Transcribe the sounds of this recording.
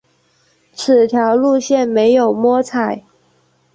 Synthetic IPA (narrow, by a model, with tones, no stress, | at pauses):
t͡s̩ʰ˨˩t̪ʰjɑ˧˥˦ʊlu˥˧ɕjɛ˥˨nme˧˥ɪjo˨˩ʊmwɔ˥t͡sʰa˨˩˦ɪ